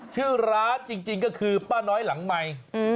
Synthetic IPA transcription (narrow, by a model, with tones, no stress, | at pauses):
t͡ɕʰɯː˥˩ɾaː˦˥nt͡ɕi˧ŋt͡ɕi˧ŋkɔː˥˩kʰɯː˧paː˥˩nɔː˦˥jla˩˦ŋma˧j